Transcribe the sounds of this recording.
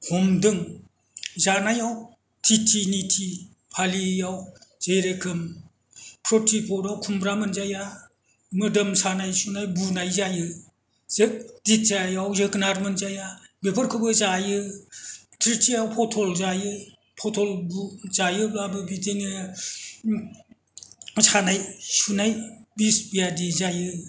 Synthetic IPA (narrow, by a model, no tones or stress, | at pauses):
hɔmdɯŋ | zanajaw | tʰitʰinitʰi | pʰalijawz̥ejɾekʰɯm | pʰɾotʰipʰɔɾawkʰumbɾamɯnzaja | mɯdɯmsanajsunajbunajzajɯ | zdit̚zajawzɯknaɾmɯnzajabepʰɐɾkʰɯbɯzajɯ | tʰɾitʰijawpʰɔtʰolzajɯ | pʰɔtʰolbuzajɯbabɯbitʰene | sanajsunajbisbijadizajɯ